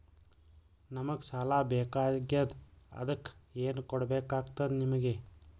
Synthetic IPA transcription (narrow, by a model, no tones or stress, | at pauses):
nɐmɐɡsalaːbeːkaːɡjɐd̪ɐ̰d̪ɐkːeːnukɔɽɐbeːkaːɡt̪ɐd̪nimɐɡe